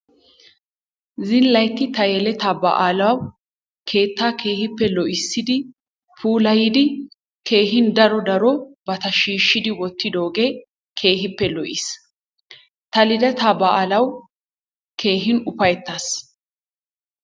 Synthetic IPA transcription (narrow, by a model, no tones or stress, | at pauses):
zɪnlɐjt̪ːɪt̪ɐjɛlɛt̪abɐ̰ʔaːlɐwɐw | kʰe̞ːt̪ːaːkʰe̞ːhɪpːɛlɔʔɪsːɪd̪ɪ | fuːlɐjɪd̪ɪ | kʰe̞ːɦɪnd̪ɐɾɔd̪ɐɾɔbɐt̪ɐʃiːʃːɪd̪ɪwɔt̪ːɪd̪o̞ːɡe | kʰe̞ːɦɪpːɛlɔʔɪs | t̪ɐlɪd̪ɛt̪abɐʔaːlɐw | kʰe̞ːɦɪnʊpɐjɛt̪ːaːs